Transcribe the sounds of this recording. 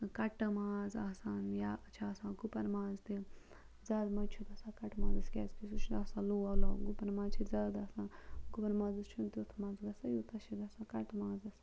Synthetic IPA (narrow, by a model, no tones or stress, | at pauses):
kɐʈɨmãːzaːsaːnjaːʔɐt͡ʃʰaːsãːɡupɐnmaːzt̪i | zaːd̪mɐt͡ʃʰud̪ɐːsaːkɐʈmãːzɨskʲɛːzkisut͡ʃʰud̪aːsãːloːɐla̰ːɡupɐnmãːt͡ʃʰizaːd̪aːsãːɡ̥upɐnmaːzɨst͡ʃʰunt̪it̪ʰmaːzɡɐsɐjut̪ɐʃid̪ɐːsãːkɐʈmaːzɐsaː